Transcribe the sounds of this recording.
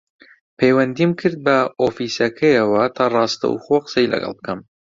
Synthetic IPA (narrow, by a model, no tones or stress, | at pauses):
pʰejwɐnd̪imkʰɨɾd̪̚bɐofisɐkʰɐjɐwɐt̪ʰɑrˤɑːst̪ɐ̰wxoqə̥sɐjlɐ̰ɡɑ̰lˠbɨkʰɐm